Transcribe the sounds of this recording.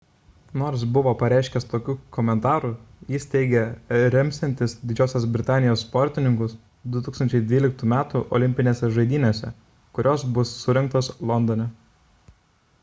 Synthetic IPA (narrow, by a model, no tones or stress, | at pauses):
noːɾs̬bʊʋoːpɐɾʲæˑɪʃʲkʲɛst̪oːkʲuːkɔmʲɛnt̪ɑːɾujɪst̪ʲɛɪɡʲɛɾʲɛmʲsʲɛnʲt̪ʲɪsd̪ʲɪd͡ʒʲoːsʲɛsbʲɾʲɪt̪ɑːnʲɪjoːsːpɔɾʲt̪ʲɪnʲɪŋkʊs | d̪ʊt̪uːksɐnʲt͡ʃʲɛɪd̪ʲʋʲiːlʲɪk̚t̪uːmʲæːt̪uʔɔ̰lʲɪmʲpʲɪnʲeːsʲɛʒɐɪd̪ʲiːnʲoːsʲɛ̰ | kʊɾʲoːsbʊsːʊɾʲɛŋk̚t̪oːslˠɔnd̪ɔnʲɛ